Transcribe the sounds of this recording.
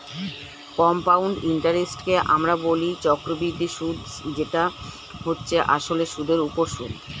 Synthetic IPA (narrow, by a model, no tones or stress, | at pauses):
kɔmpawɳɖiɳʈaɾisʈkeʔa̰mɾabolit͡ɕɔkɾobiɾd̪iʃud̪d͡ʑeʈa | ɦotːɕʰeʔaʃoleʃud̪ʱeɾupoɾʃṵd̪